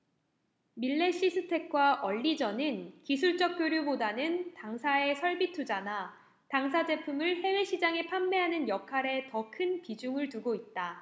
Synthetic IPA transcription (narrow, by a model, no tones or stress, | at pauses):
miɭːe̞ɕ͈ʰisʰɯtʰe̞k̚k͈waʔʌʎːid͡ʑʌnɯnkisʰuɭt͡ɕ͈ʌk̚k͈joɾjubodanɯntaŋsʰae̞sʰʌɭbitʰud͡ʑana | taŋs̬ʰad͡ʑe̞pʰumɯɭhe̞we̞ɕʰid͡ʑaŋe̞pʰamːe̞ɦanɯnjʌkʰaɾe̞tʌkʰɯnpid͡ʑuŋɯɭtuɡoit̚t͈a